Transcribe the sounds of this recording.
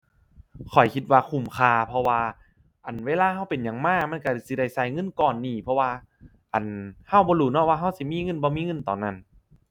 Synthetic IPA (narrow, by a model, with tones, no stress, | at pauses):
kʰɔ˨˩jkʰi˧t̪̚waː˧kʰu˧˩mkʰaː˧pʰɔ˧waː˧ | ʔa˨˩nweː˧˥˨laː˧ɦa˧˩˨wpe˨nja˧˩ŋmaː˧˥˩k̚ma˧˥˨ka˧˩si˧˦da˧˩jsa˧˩˨jŋɤ˧˥˨nkɔː˨˩nːiː˧˩pʰɔ˧waː˧ | ʔa˨˩nha˧˩˨wbɔː˧duː˧˩nɔː˧˩˨waː˧ɦa˧˥˩wsi˧˦miː˧˥˨ŋɤ˧˥˨nbɔː˧miː˧˥˨ŋɤ˧˥˨nt̪ɔː˨˩na˧˩n